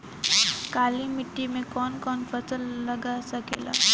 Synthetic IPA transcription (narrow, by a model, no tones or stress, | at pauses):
kaːlimɪʈːimẽkɔːnkɔːnpɐt͡ʃəlːɐɡasɐkḛːla̰ː